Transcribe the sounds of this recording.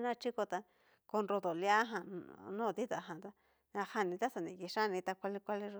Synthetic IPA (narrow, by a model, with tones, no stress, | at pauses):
nã˦˧t͡ʃi˦ko˧t̪a˧ | ko˧nɾo˧t̪o˨lja˦ɦã˧nũː˦˨t̪i˦t̪a˨ɦã˨t̪a˦ | ã˧ha˧nĩ˧t̪a˦sa˨nĩ˨ki˧ʂa˦˧nĩ˧t̪a˧kʷa˧li˧kʷa˦li˦˧